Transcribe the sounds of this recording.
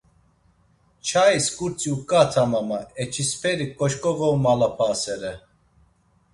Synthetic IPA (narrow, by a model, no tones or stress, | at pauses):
t͡ʃʰaiskʼuɾt͡sʼiukʼat̪ʰamamaɛt͡ʃʰispʰɛɾikʼɔʃkʼɔɣɔwmalapʰaːsɛɾɛ